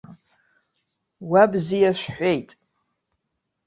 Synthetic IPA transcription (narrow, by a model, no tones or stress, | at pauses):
wabzijaʃʷᶣħʷejtʼ